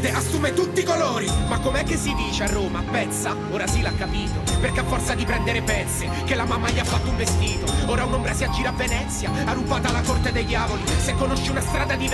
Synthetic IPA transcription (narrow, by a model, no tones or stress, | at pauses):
d̪easːuːmet̪ut̪ːikoloːɾimakːomeɛkːesːid̪iːt͡ʃearːoːmapɛnsa | oːɾasilakːapiːt̪operkeafːɔrt̪sad̪ipɾɛnd̪eɾepɛt̪sːe | k̟elamːamːaʎiafːat̪ːouɱvest̪iːt̪oɔːɾaunombɾasiad͡ʒiːɾavːenɛt̪sːjaarːupːaːt̪alːakort̪ed̪ejd̪jaːvolisekːonoʃːeunast̪ɾaːd̪ad̪i